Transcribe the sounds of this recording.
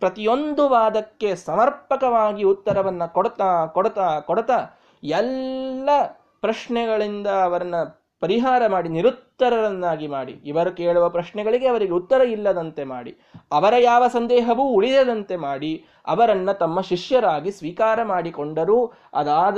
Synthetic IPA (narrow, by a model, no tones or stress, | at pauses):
pɾɐt̪ijo̞nd̪uʋaːd̪ɐkːe̞sɐmɐɾpɐkɐʋaːɡiut̪ːɐɾɐʋɐnːɐkoɽt̪akoɽɐt̪aːkoɽt̪aː | ɛlːɐ | pɾɐʃɳɛɡɐɭind̪ɐːʋɐɾɐnːɐ | pɐɾiɦaːɾɐmaːɽiniɾut̪ːɐɾɐɾɐnːaːɡimaːɽḭːʋɐɾukeːɭuʋɐpɾɐʃɳɛɡɐɭiɡe̞ɐʋɐɾiɡe̞ut̪ːɐɾɐilːɐd̪ɐnt̪e̞ma̰ːɽḭ | ɐʋɐɾɐjaːʋɐsɐnd̪ɛːɦɐʋuːɭid̪ɐd̪ɐnt̪e̞maːɽi | ɐ̰ʋɐɾɐnːɐt̪ɐmːɐʃiʂjɐɾaːɡisʋiːkaːɾɐmaːɽikoɳɖɐɾuː | ɐ̰d̪aːd̪